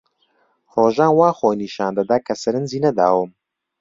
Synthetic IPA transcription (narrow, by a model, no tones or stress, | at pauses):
roːʒaːnwaːxoːniːʃaːnd̪ɐd̪aːkʰɐsɐɾɨnziːnɐd̪a̰ːwɨm